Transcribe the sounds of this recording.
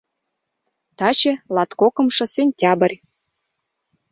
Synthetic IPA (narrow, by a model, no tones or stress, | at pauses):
t̪ɑt͡ɕĕlɑt̪kokɤ̆mʃɤ̆senʲtʲɑbə̆rʲ